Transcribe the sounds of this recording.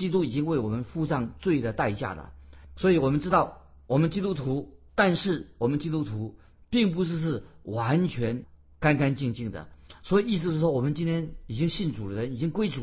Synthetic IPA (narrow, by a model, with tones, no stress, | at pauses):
t͡ɕi˥t̪u˥i˨˩t͡ɕi˥ŋwe˥˩ɪwɔ˨˩mə˦nfu˥ʂɑ˥˧ŋt͡swe˥˩ɪd̪ə˩t̪a˥˧ɪt͡ɕja̰˥˩lə̰˩swɔ˧˥i˨˧˥wɔ˨˩mə˦nʈ͡ʂɻ̩˥t̪ɑ˥˩ʊ | wɔ˨˩mə˦nt͡ɕi˥t̪u˥t̪ʰu˧˥t̪a˥˧nʂɻ̩˥˩wɔ˨˩mə˦nt͡ɕi˥t̪u˥t̪ʰu˧˥ | pi˥˩ŋp̬u˧˥ʂ̬ɻ̩˥˧ʂ̬ɻ̩˥˩ | wa˧˥nt͡ɕʰɥɛ˧˥n | ka˥nka˥nt͡ɕi˥˧ŋt͡ɕi˥˩ŋd̪ə̰˩swɔ˧˥i˨˩i˥˩s̬̩˧ʂɻ̩˥˩ʂwɔ˥wɔ˨˩mə˦nt͡ɕi˥nt̪ʰjɛ˥ni˨˩t͡ɕi˥ŋɕi˥˩nt͡su˨˩d̪ə˦ɻə˧˦˥ni˨˩t͡ɕi˥ŋkwe˥ɪʈ͡ʂu˨˩